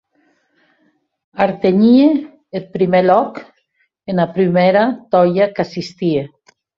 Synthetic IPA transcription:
aɾt̪eɲie | elpɾimelɔk | enapɾimeɾat̪ɔjakasist̪ie

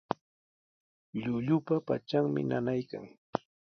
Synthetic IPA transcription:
ʎʊʎʊpapa̰t͡ʃaŋmɪ̰nanajka̰ŋ

